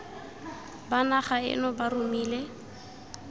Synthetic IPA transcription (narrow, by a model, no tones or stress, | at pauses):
banaχaɪ̰nɔbarumiːle